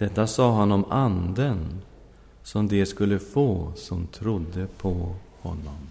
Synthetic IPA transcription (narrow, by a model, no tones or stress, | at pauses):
d̪̥ɛt̪ːasɑːɦanːɔmand̪ən | sɔmd̪ɛskɵlːəfoːsɔmt̪ʰɾʊd̪ːəpʰɔhɔ̰nːɔm